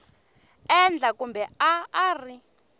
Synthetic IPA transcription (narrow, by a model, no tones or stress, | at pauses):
ɛnd͡ɮakumbɛaːri